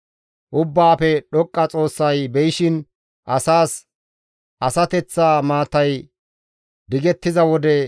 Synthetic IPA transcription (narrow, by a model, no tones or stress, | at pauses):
ʔʊbːaːpɛɗɔkʼːɐt͡sʼo̞ːsːɐjbɛjɪʃɪn | ʔɐsaːs | ʔɐsɐt̪ɛt͡sːaːmaːt̪ɐj | d̪ɪɡɛt̪ːɪzɐwɔd̪ɛ